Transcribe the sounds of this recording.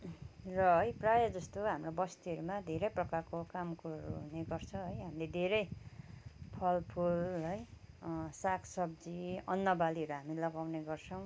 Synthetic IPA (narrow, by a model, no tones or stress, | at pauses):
rʌɦʌjprajʌd͡zʌst̪oɦamrobʌst̪iʌɾumad̪ʱeɾʌjprʌkarkokamkuʌɾuɦuneɡʌrt͡sʰʌɦʌjɦamiled̪ʱeɾʌj | pʰʌlpʰulɦʌj | sakʰsʌb̚d͡ziʌnːʌbaliɦʌɾuɦamilʌɡawneɡʌrt͡sʰʌw̃